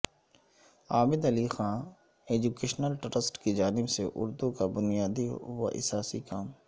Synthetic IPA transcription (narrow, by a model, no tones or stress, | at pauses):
aːbɪd̪ɐlixãːn | eːd͡ʒuːkeːʃnəlʈɾəsʈkid͡ʒaːnɪbseʔʊ̰ɾd̪ũkabʊnijaːd̪iʋa̰ʔɪ̰saːsikaːm